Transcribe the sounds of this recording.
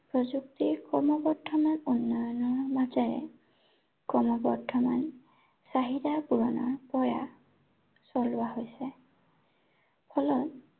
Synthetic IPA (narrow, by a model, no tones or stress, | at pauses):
pɹɔzuktiɹkɔɹmɔbɔdʰʱɔmanunːɔjɔnɔɹmazaɹɛ̰ | kɹɔmɔbɔɹdʰʱɔman | saɦidapuɹɔnɔ̰ɹpɔja̰ | sɔlʊwaɦojsɛ | pʰɔlɔt